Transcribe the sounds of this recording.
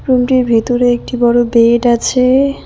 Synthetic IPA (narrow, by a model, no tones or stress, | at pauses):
pɾumʈiɾbʱet̪oɾeek̚ʈibɔɽobeʈat͡ɕʰe